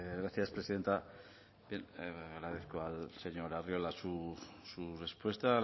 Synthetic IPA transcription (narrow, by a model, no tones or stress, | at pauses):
ɣɾaθjaspɾe̞siðe̞nt̪a | bjenɣɾaðeθkoalse̞ɲo̞ɾario̞lasusure̞spwe̞st̪a